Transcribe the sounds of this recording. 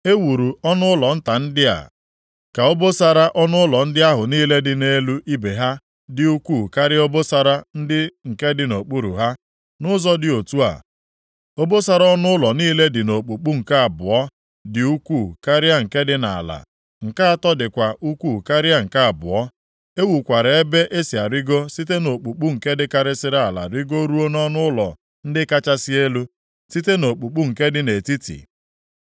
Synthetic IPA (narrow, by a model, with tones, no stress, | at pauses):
e˦wu˨ɾu˨ɔ˦nʊ˦ʊ˦lɔ˨n̩˦ta˨n̩˦dɪ˦a̰˨ | ka˨o˦bo˦sa˨ɾa˦ʔɔ˦nʊ˦ʊ˦lɔ˨n̩˦dɪ˦a˦ɦʊ˨niː˦le˦dɪ˨ne˦lu˦ʔi˦be˨ɦa˦ | dɪ˦u˦kʷuː˦˨ka˦ɾɪ˦o˦bo˦sa˨ɾa˦n̩˦dɪ˦ŋ̩˨ke˦dɪ˨no˨k͡pu˦ɾṵ˨ɦa˦ | nʊ˦zɔ˦dɪ˨o˨tu˦a̰˨ | o˦bo˦sa˦ɾa˦ɔ˦nʊ˦ʊ˦lɔ˨niː˦le˦dɪ˨no˨k͡pu˨k͡pu˦ŋ̩˨ka˦a˨bʊ˨ɔ˦ | dɪ˨u˦kʷu˦˨ka˦ɾɪ˦a˦ŋ̩˨ke˦dɪ˦na̰˨a̰˨la̰˨ | ŋ̩˨ka˦a˦tɔ˦dɪ˨kʷa˨ʔu˦kʷu˦˨ka˦ɾɪ˦a˦ŋ̩˨ka˦a˨bʊ̰˨ɔ˦ | e˦wu˨kʷa˨ɾe˨e˦be˦ʔe˦si˨a˨ɾɪ˦ɡo˦si˦te˦no˨k͡pu˨k͡pu˦ŋ̩˨ke˦dɪ˦ka˦ɾɪ˦sɪ˦ɾa˦˨a˨la̰˨ɾi˦ɡo˦ɾu˦o˦nɔ˦nʊ˦ʊ˦lɔ̰˨ | n̩˦dɪ˦ka˦t͡ʃa˦si˦e˦lu˦ | si˦te˦no˨k͡pu˨k͡pu˦ŋ̩˨ke˦dɪ˦ne˨ti˦tḭ˨